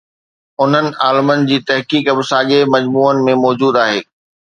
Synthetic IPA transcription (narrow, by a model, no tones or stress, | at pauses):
ʊn̤ənɪ̆ʔaːlɪmənɪ̆d͡ʑiːt̪ɐɦkiːkɐbɪsaːɠemɐd͡ʑmuːənɪ̆mẽmɔːd͡ʑuːd̪aːɦeː